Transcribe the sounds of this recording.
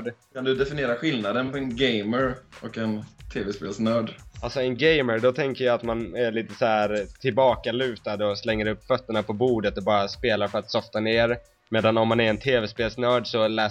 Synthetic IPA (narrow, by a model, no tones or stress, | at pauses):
ɖkʰand̪ɵd̪ɛfɪnɪeːɾaɧɪlnad̪ənpɔɛnɡejməɾɔkɛnt̪ʰeːvɛspḛːlsnœːɖalsɔɛnɡɛjməɾɖɔt̪ʰɛŋkəjaat̪manæɭiːt̪əsɔæɾt̪ʰɪlbɑːkalʉ̟ːt̪ad̪ɔslɛŋːəɾɵpːfœt̪ːəɳapʰɔbuːd̪ət̪ɔbɑːɾaspeːlaɾfœɾat̪sɔft̪aneːɾ | meːd̪anɔmːanæɾɛnt̪ʰeːvɛspeːlsnœːɖsɔlɛː